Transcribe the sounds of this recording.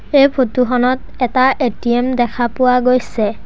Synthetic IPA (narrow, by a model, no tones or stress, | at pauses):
ejpʰotuxɔnɔt | ɛtaʔetiemdɛkʰapʊwaɡojsɛ